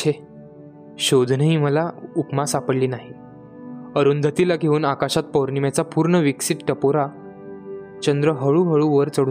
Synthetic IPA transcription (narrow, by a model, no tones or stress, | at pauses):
t͡ɕʰe | ɕod̪ʱnəɦiːməlaupmasapəɽliːnaɦi | əɾund̪ʱət̪ilaɡʱeuːnakaɕat̪̚poɾɳimjat͡sapuːɾɳəʋiksiʈʈəpoɾa | t͡ɕənd̪ɾəɦəɭuːɦəɭuʋəɾt͡səɽu